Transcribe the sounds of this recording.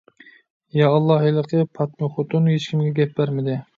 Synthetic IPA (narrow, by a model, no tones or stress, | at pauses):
jɑːlˠːɑɦilˠəqʰəpʰɑt̪̚meχot̪unuɦet͡ʃkʲimɡʲɛɡʲɛp̚bæɾmɪd̪ɪ